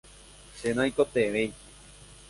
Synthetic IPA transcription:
ʃenãikot̪eʋej

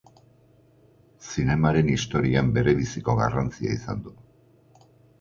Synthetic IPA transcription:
sine̞maɾe̞nist̪o̞ɾiambe̞ɾe̞βisiko̞ɣa̰rant͡sia̰isa̰nd̪u

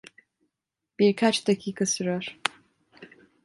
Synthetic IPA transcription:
b̥iɾkʰat͡ʃd̪acʰiːkʰasyɾjoɾ̥

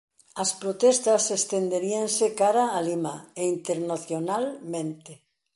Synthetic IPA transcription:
ɐspɾot̪ɛst̪asest̪end̪eɾiansekaɾaːlimaeint̪eɾnaθjonalmẽnt̪e

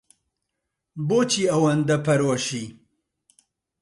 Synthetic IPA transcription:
boːt͡ʃʰiːɐwɐnd̪ɐpʰɐɾwɐʃi

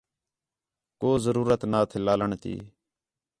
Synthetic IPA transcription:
koːzəɾuːɾət̪naːt̪ʰelaːləɳt̪ḭː

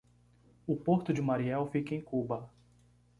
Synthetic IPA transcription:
ʊpoɾt̪ʊd͡ʒɪmaɾiɛwfikẽj̃kubɐ

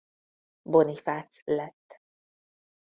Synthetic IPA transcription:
bonifat̪slɛt̪ː

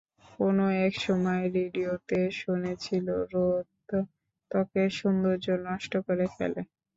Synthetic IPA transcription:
konoɛkʃɔmɔeɾiɖiot̪eʃunet͡ɕʰiloɾot̪ː | ɔkeʃund̪oɾd͡ʑonːɔʃʈokoɾekʰɛ̰le

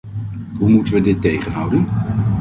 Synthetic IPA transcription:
ɦumutənʋədɪtːejχənɦʌwdən

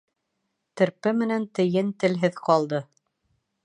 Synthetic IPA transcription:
t̪ɘ̆ɾpɘmɘ̆nænt̪ɘ̆jɘnt̪ɘ̆lɦɘðqɑlˠd̪ɤ

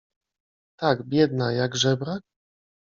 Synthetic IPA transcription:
t̪aɡbʲjɛd̪najaɡʐɛbɾak̚

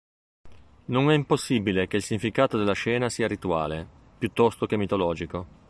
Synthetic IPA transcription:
nonɛimposːibilek̟eilsiɲːifikaːt̪od̪elːaʃɛːnasiːaɾit̪ua̰ːle | pjut̪ːɔst̪okemːit̪olɔːd͡ʒiko

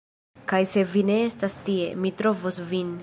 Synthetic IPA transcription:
kajse̞vine̞estastie̞̰mitɾo̞vosvin

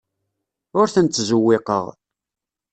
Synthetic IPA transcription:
ʊɾθənt̪ːzuwːɪqə̰ʁ

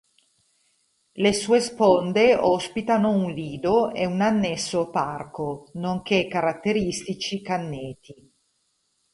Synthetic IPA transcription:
lesuːespond̪eɔspit̪anounliːd̪oeunanːesːoparkonoŋk̟ekːaɾat̪ːeɾist̪it͡ʃikanːeːt̪i

